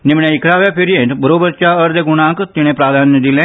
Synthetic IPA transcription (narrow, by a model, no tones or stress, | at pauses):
nɪmɳẽːɪkɾaːʋjaːpʰɪɾiẽʈbəɾoːbəɾt͡ʃaːəɾd̪eːɡʊñãːkt̪ɪɽ̃ẽːpɾaːd̪ʱaːnd̪ɪlɛ̃ː